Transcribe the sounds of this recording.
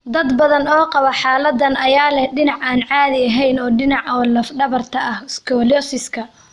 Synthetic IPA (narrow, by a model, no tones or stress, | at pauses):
d̪ɐd̪bɐðɐnɔːqɑβɐħaːlɐd̪ːɐnɐjaːlɛhɖɪnɑʕaːnʕaːðɪɐɦɛjnɔːɖɪnɑʕɔːlɐfɖɐβɐrt̪ʰɐʔɐhskʰɔːlɔsɪskʰɐ